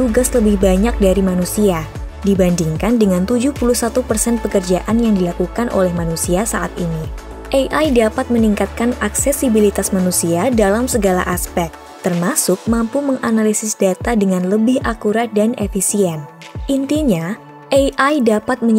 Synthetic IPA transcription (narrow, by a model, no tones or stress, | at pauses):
t̪uɡasləbɪhbaɲak̚daɾimanusia | dibandiŋkandəŋant̪ud͡ʒuhpuluhsat̪upərsɛnpəkərd͡ʒaʔanjaŋdilakukanʔo̰lɛhmanusiasaʔat̪ini | ʔejʔajdapat̪̚məniŋkat̪̚kanaksɛsibilit̪asmanusiadalamsəɡalaʔaspɛk̚ | t̪ːərmasʊk̚mampuməŋʔanalisɪsdat̪adəŋanləbɪhʔakuɾat̪̚danefisiɛn | ʔint̪iɲa | ʔejʔajdapat̪̚məɲ